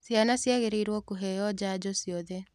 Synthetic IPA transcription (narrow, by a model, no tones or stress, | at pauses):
sjanasjaɣeɾeiɾwɔkuɦɛːjɔd͡ʑaːd͡ʑɔsiɔðɛ